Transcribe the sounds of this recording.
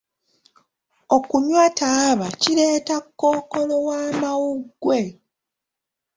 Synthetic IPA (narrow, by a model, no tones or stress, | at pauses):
o̞kuɲwataːβaciɾe̞ːtakːokolowaːmawuɡːwe̞